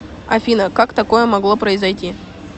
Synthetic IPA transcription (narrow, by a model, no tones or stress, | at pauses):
ɐ̰fʲinəkakt̪ɐko̞jəmɐɡlˠo̞pɾəɪzɐjtʲi